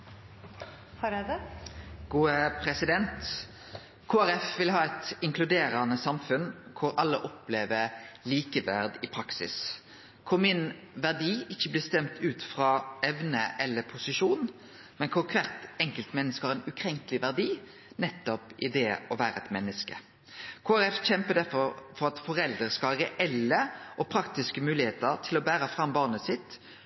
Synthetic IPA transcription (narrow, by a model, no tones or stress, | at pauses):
hɑɾd̪ | ɡ̥uːəpʰɾɛsɪd̪ɛnt̪ | kʰoːæɾɛfʋɪlɦɑːɛt̪ɪŋkʰlʉd̪eːɾɑnəsɑmfʉnkʰʊɾɑlːəʔɔpleːʋəɾliːkəʋæʁd̪ɪpʰɾɑksɪ̰s | kʰʊʁmɪn | ʋæʁd̪iːɪçːəblɪst̪ɛmt̪ʰʉːt̪fʁɑɛʋnəʔɛlːəpʰʊsɪʂuːn | mɛnkʰʊŋkʰɾet̪ɛŋkəlt̪mɛnːəskəhɑʁɛnʉkʰɾɛŋkəlɪʋæʁd̪iː | nɛt̪ːɔpʔɪd̪ɛɔʋæːɾəɛt̪mɛnːəskə̰ | kʰoːæɾɛfçɛmpəd̪æɾfɔɾfɔɾɑt̪fɔɾɛld̪əskɑɾəʔɛlːəʔɔpʰɾɑkt̪ɪskəmʉːlɪheːt̪əɾt̪ʰɪlɔbæːɾəfʁɑmbɑːʁnəsɪt̪ː